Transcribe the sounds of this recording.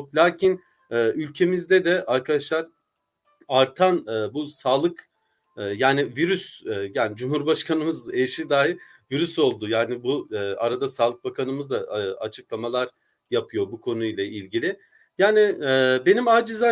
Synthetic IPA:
klʲaːcʰin | ɛːylʲcʰe̞mizd̪ɛd̪ɛʔaɾkʰad̪aʃlˠaɾ̥ | aɾt̪ʰanɯːbusaːlˠɯkː | jaːniviɾysːjaːnid͡ʒumhuɾbaʃkʰanɯmɯzeʃid̪aːɦi | viɾyso̞lˠd̪ʊjaːnɪbuaɾad̪asaːlˠɯk̚bakʰanɯmɯzd̪aa̰t͡ʃʰɯklˠamalˠaɾ | japʰɯjo̞bukʰo̞nujlˠaʔilʲɟilʲɪ | jaːnɪɛbe̞nimaːd͡ʒiza

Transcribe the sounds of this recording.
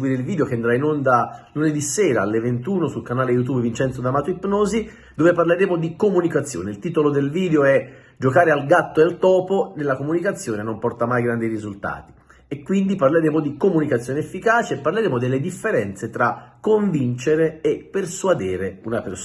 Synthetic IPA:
wiːɾeilvid̪eok̟eand̪ɾainond̪aluned̪iseːɾaalːevent̪uːnosulkanaːlejut̪̬uːbvint͡ʃɛnt̪sod̪amaːt̪oipːnoːzi | d̪oːveparleɾeːmod̪ikomunikat̪sːjo̰ːneilt̪iːt̪olod̪elviːd̪eoɛ | d͡ʒokaːɾealɡat̪ːoealt̪ɔːponelːakomunikat̪sːjoːnenompɔrt̪amajɡɾand̪iɾizult̪a̰ːt̪i̥ | ekːwind̪iparleɾeːmod̪ikomunikat̪sːjoːneefːikaːt͡ʃeːpːarleɾeːmod̪elːed̪ifːeɾɛnt̪set̪ɾakːoɱvint͡ʃeɾeːpːerswad̪eːɾeunaper

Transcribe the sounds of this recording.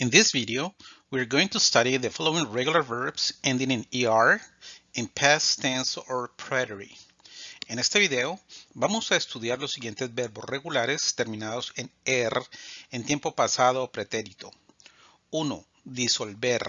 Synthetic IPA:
ɪ̃nðisbiðeowiaɾɡowĩŋt̪ust̪aɾiðefɔlowĩŋɹeɣjulaɾveɹbsẽnd̪ĩŋẽniaɾĩnpʰæst̪ɛ̃nsoɹpʰɹeɾeɾḭ | ẽne̞st̪eβiðeobamosaest̪uðjaɾlo̞sːiɣje̞nt̪ezbeɾbosreɣulaɾe̞st̪eɾmĩnaðo̞senerent̪jempo̞pasaðoːpɾe̞t̪eɾit̪o | uno̰ | ðiso̞lbeɾ

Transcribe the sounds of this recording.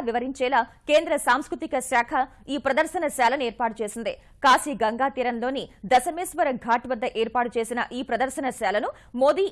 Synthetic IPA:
ʋiʋɐɾiɲt͡ʃɛːlaːke̞ːnd̪ɾɐsaːmskɾut̪ikɐsaːkʰɐ | iːpɾɐd̪ɐɾʃɐnɐʃaːlɐneːɾpaːʈut͡ʃe̞ːsind̪i | kaːsiɡɐŋɡaːt̪iːɾɐnlo̞ːnid̪ɐsɐmeːsʋɐɾɐɡʱaːʈʋɐd̪ːɐʔeːɾpaːʈut͡ʃe̞ːsinɐʔiːpɾɐd̪ɐɾʃɐnɐʃaːlɐnu | moːd̪iː

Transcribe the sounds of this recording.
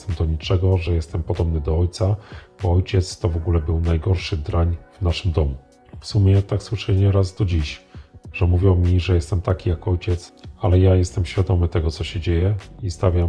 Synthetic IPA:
t̪ɛmd̪ɔɲit͡ʂɛɡɔʐɛjɛst̪ɛmpɔd̪ɔbnɘd̪ɔɔjt̪sab̥ɔɔjt͡ɕɛt̪st̪ɔvɔɡulɛbɘwnajɡɔɾʂɘd̪ɾaɲvnaʂɘmd̪ɔmu | fsumʲjɛt̪akswɘʂɛɲɛɾazd̪ɔd͡ʑiɕʐ̥ɛmuvʲjɔwmʲiʐɛjɛst̪ɛmt̪akʲijakɔjt͡ɕɛt̪salɛjajɛst̪ɛmɕfʲjad̪ɔmɘt̪ɛɡɔt̪sɔɕɛd͡ʑejɛist̪avʲja

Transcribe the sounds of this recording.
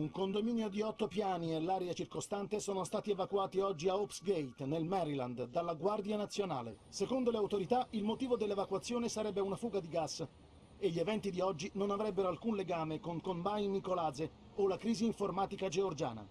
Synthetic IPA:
uŋkond̪omiːnjod̪iɔt̪ːopjaːnielːaːɾeat͡ʃirkost̪ant̪esoːnost̪aːt̪ievakwaːt̪iɔd͡ʒːiaopsɡejt̪nelmɛɾila̰nd̪d̪alːaɡward̪janat̪sːjona̰ːlḛ | sekond̪oleawt̪oɾit̪ailmot̪iːvod̪elːevakwat̪sːjoːnesaɾɛbːeunafuːɡad̪iɡasː | eʎːievɛnt̪id̪iɔd͡ʒːinonavɾɛbːeɾoalkunleɡaːmekoŋkombajnːikolaːze | olakɾiːziːɱformaːt̪ikad͡ʒeord͡ʒa̰ːna̰

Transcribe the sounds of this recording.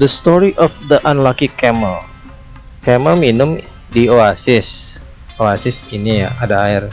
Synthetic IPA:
dəst̪ɔɾiʔɔfd̪əʔanlakikɛməl | kɛməlminʊm | dioasɪs | oasɪsinija̰ʔadaaɪr

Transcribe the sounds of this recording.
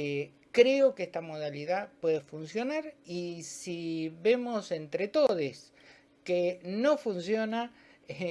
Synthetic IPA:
kɾeokeest̪amo̞ð̞aliðapwe̞ðefunsjo̞naɾisiβe̞mo̞se̞nt̪ɾet̪o̞ðes | keno̞funsjo̞na

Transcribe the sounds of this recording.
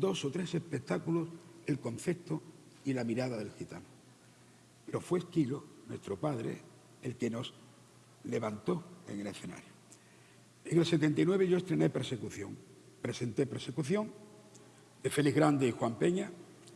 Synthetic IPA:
d̪o̞so̞t̪ɾe̞se̞spe̞k̚t̪akulose̞lko̞n̟θe̞pt̪o | ilamiɾaðaðe̞lxit̪a̰no | peɾo̞fwe̞skilo̞nwe̞st̪ɾo̞paðɾe̞̰ | elke̞no̞s | le̞βant̪o̞e̞̰ŋe̞le̞sθe̞na̰ɾjo | e̞ŋe̞lse̞t̪e̞nt̪ainwe̞β̞eʝo̞est̪ɾe̞ne̞pe̞ɾse̞kuθjo̞̰ŋ | pɾe̞se̞nt̪e̞peɾse̞kuθjo̞ŋ | d̪e̞fe̞liɦɣɾand̪eixwampe̞ɲa

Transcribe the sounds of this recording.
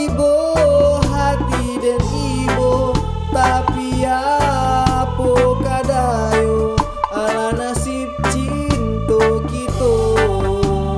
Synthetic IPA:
ibo | ɦat̪i | dɛni | bo | t̪apija | pokadajo | alanasip̚t͡ʃi | nt̪okit̪o

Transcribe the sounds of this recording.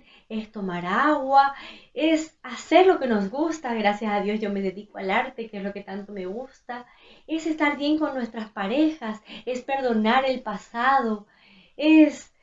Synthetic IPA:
est̪o̞maɾaɣwaesase̞ɾlo̞ke̞no̞zɣust̪aɣɾasjasaðjo̞zʝo̞me̞ðe̞ðikoalaɾt̪e̞keeslo̞ke̞t̪ant̪o̞me̞ɣust̪a | e̞sest̪aɾβje̞ŋko̞nːwe̞st̪ɾaspaɾe̞xase̞spe̞ɾðo̞naɾe̞lpasað̞o̞ | es

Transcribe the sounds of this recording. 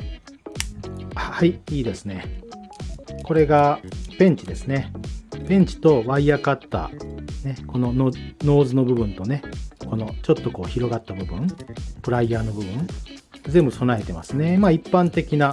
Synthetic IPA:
haiiːd̪e̞sɨne̞ | ko̞ɾe̞ɡapẽ̞ɲ̟t͡ɕid̪e̞sɨne̞pẽ̞ɲ̟t͡ɕi̥t̪o̞βaiakat̪ːa̰ne̞ko̞no̞nono̞ːzɨno̞bɯ̟bɯ̟̃nt̪o̞ne̞ko̞no̞t͡ɕo̞t̪ːo̞ko̞̰ːçiɾo̞ɡat̪ːabɯ̟bɯ̟̃ŋpɯ̟ɾaiaːno̞bɯ̟bɯ̟̃ŋzẽ̞mbɯ̟so̞nae̞t̪e̞ma̰sɨne̞maːipːãnt̪e̞kʲina

